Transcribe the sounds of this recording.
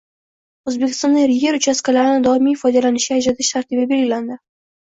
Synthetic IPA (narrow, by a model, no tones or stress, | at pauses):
ozbe̞kʲʰɪ̥st̪ɒnd̪aɾɪje̞ɾʊt͡ʃʰaskalaɾɪnɪd̪ɒɪmifɒjd̪alanɪʃɡʲaad͡ʒat̪ʰɪʃt̪ʰaɾt̪ʰibɪbe̞lɡʲɪland̪ɪ